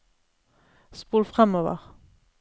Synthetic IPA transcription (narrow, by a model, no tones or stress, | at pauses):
spuːlfʁɛmoːʋə̰ʁ